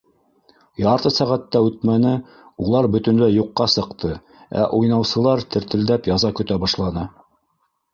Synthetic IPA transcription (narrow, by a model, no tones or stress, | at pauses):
jɑɾt̪ɤsæʁæt̪ːæʉt̪mænɘ | ulˠɑɾbɵ̆t̪ɵ̆nlɘjuqːɑsɤ̆qt̪ʰɤ | æ̰ʔujnɑwsɤ̆lˠɑɾt̪ɘ̆ɾt̪ɘ̆ld̪æpjɑzɑkɵ̆t̪æbɑʃlˠɑnɤ